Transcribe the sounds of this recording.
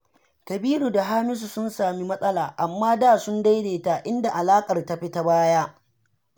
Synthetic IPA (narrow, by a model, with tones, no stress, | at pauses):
kɐ˨biː˦ɾuː˨da˨ɦaː˦mɪ˦s̬u˨sʊ˦nsaː˨mi˦mɐ˦sʼɐ˦laː˨ʔa˨mːaː˦daː˦˨sʊ˦nda˦jdeː˨ta˨ʔɪ˦nda˨ʔa˨laː˦kʼɐ˨rta˦ɸi˦ta˦baː˦jaː˦